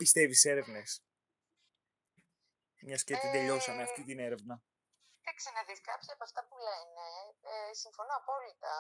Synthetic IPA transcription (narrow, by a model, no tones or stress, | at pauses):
pist̪e̞vise̞ɾe̞vne̞s | mɲɐscet̪ind̪e̞ʎo̞sɐneɐft̪it̪ine̞ɾe̞vnɐ | t̪ɐksenɐðiskɐpsipɐft̪ɐpule̞nesiɱfo̞noɐpo̞lit̪ɐ